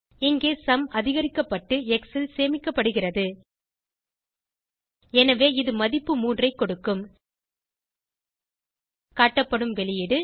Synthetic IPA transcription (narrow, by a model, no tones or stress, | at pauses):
ɪŋɡeːsɐmʔɐðɪɣɐɾɪkːɐpːɐʈːɯɛksɪlseːmɪkːɐpːɐɽɯɣɪrɐðɯ | ɛnɐʋeːɪðɯmɐðɪpːɯmuːndrɐɪkːɔɽɯkːɯm | kaːʈːɐpːɐɽɯmʋɛɭɪjɪɽɯ